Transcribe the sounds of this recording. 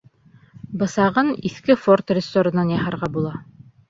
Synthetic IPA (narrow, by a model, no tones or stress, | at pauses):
bɤ̆sɑʁɤniθkɘfort̪rʲɪzsoɾɤ̆nɑnjɑhɑ̆ɾʁɑbulˠɑ